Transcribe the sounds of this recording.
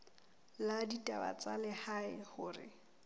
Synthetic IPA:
laditʼaba̰t͡sʼalɪhaɪhʊːrɪ̰

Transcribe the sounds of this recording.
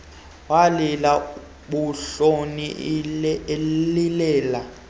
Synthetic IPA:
walila | ɓuɬoni | lilɛːla

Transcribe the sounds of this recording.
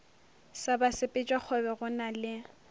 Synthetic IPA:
sabasɪpʼɪt͡ʃʼwak͡xʰɔbɛɣʊnalɪ

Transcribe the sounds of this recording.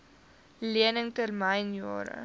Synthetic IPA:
liənəŋtərmɐjnjɑːɾə̰

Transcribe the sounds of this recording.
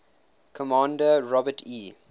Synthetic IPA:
kʰɔmãːndəɹɔbətʰiː

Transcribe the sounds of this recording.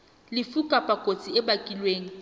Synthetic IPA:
lɪfukʼapʼakʼot͡sʼiɛbakʼilweːŋ̩

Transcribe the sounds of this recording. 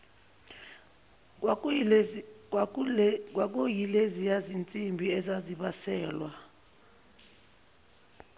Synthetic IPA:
k̬wak̬ojilezijazint͡sʼimbʱiɛzaziɓasɛːlwa

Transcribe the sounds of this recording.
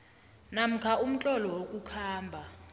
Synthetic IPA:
nam̩kʰaum̩t͡ɬʼɔlɔwokʼukʰaːmbʱa

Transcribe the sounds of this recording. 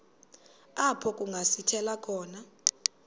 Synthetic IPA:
apʰɔkʼuŋɡʱasitʰɛlakʰɔːna

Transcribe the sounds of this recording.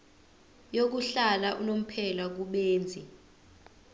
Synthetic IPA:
jok̬uɬalaʔunom̩pʰɛlak̬uɓeːnd͡zʱi

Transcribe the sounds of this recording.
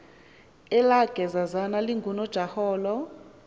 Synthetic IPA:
ɛlaɡ̥ʱɛzazanaliŋɡʱunɔd̥ʒ̥ʱahɔːlɔ

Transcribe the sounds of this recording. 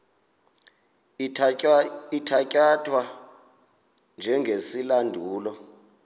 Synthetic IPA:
itʰacʼatʰʼwa | nd͡ʒʱɛŋɡʱesilandʱuːlɔ

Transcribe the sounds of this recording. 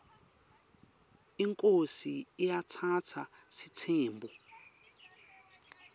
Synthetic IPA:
iŋkʼosiːjatʰatʰa | sitʰeːmbu

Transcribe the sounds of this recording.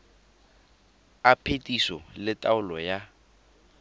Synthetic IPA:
apʰetʼisɔlɪtʼaʊlɔja

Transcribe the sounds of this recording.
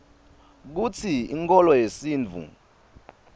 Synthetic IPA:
k̬ut͡sʰiḭŋkʼɔlɔjesiːnd͡vʱṵ

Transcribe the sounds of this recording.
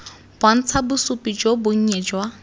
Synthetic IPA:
b̥wan̩t͡sʰabʊsʊpʼid͡ʒobʊŋ̩ɲɛd͡ʒwa

